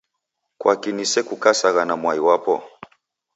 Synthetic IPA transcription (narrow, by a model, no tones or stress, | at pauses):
kwakinisɛkukasaɣanamwaiwapɔ